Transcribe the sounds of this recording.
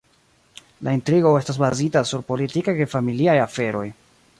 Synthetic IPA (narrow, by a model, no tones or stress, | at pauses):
laintɾiɡo̞e̞stas̬bazitasuɾpo̞litikajkajfamiliajafe̞ɾo̞̰j